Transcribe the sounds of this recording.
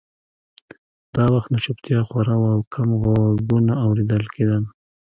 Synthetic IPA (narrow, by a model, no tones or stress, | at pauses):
d̪̥ɑwaxt̪naʃʊpt̪jɑxwaɾawaːwkʰamɣwaɡunaːwɾed̪əlked̪an